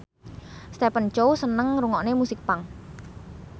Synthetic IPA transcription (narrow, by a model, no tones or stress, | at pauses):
st̪epənt͡ʃowsənəŋruŋɔʔnemusɪk̚paŋ